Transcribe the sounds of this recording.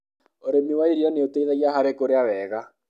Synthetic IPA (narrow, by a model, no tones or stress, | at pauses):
oɾemiwaiɾiɔneoteiðaɣiaɦaɾekoɾeawɛːɣa